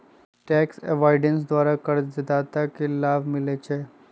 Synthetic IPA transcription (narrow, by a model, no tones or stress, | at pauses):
ʈɛːksɛ̰ʋaɾɖens̬d̪ʋaːɾakɐɾd͡ʒd̪aːt̪akelaːbʱmɪlet͡ʃʰe